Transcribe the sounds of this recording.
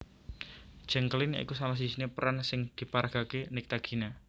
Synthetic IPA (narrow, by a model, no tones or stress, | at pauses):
d̥d͡ʒ̥ɛ̤ŋkəlɪnja̰ḭkusalas̬isinepəɾansɪŋd̪̥i̤paɾaɡ̥a̤kenɪk̚t̪aɡ̥i̤na